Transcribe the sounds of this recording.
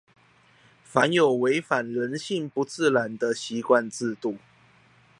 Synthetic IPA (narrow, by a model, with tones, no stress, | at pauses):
fa˨˦njo˨˩ʊwe˧˥ɪfa˨˩nɻə˨˦nɕi˥˨ŋpu˧˦t͡sɹ̩˥˨la˨˩nd̪ə˨ɕi˨˧˥kwa˥˧nt͡sɹ̩˥˧t̪u˥˩